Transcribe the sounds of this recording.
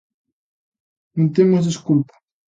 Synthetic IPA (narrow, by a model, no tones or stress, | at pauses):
nẽnt̪emozðiskulpḁ